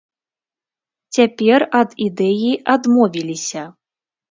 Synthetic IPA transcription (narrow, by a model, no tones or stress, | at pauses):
t͡sʲapʲɛrɐd̪id̪ɛjiad̪mɔvʲilʲisʲɐ